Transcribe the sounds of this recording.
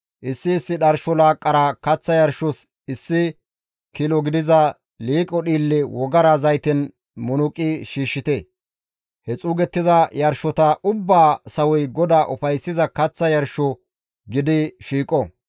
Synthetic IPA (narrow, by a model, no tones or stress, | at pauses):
ʔɪsːɪːsːɪɗɐɾʃɔlaːkʼːɐɾakɐt͡sːɐjɐɾʃɔs | ɪsːɪ | kilɔɡɪd̪ɪzɐ | liːkʼɔɗiːlːɪwɔɡɐɾɐzɐjt̪ɛn | mʊnʊkʼɪʃiːʃːɪt̪ɛ | hɛt͡sʼuːɡɛt̪ːɪzɐjɐɾʃɔt̪ɐʔʊbːaːsɐwɔjɡɔd̪aːʔʊfɐjsːɪzɐkɐt͡sːɐjɐɾʃɔ | ɡɪd̪ɪʃiːkʼɔ